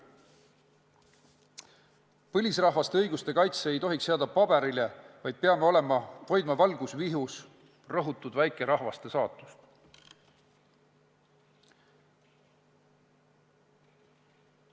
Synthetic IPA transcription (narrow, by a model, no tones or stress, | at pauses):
pɤlʲisrɑɦvɑst̪eɤjɡust̪e̞kɑjt̪seejt̪o̞ɦikseɑd̪ɑpɑb̥e̞ɾilevɑjd̪̥̚peɑme̞o̞lemɑto̞jd̪mɑvɑlɡ̥usviɦus | rɤɦut̪ːˑud̪væjkˑe̞ɾʔɑɦvɑst̪e̞sɑːt̪ːˑust̪